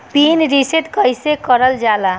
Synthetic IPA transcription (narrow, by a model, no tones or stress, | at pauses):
pinɾiset̪kʌjsekɔɾʌld͡ʒala